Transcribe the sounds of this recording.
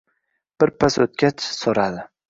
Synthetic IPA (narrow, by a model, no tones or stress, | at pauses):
b̥ɪɾpʰasot̪̚kʲat͡ʃsoɾad̪ɪ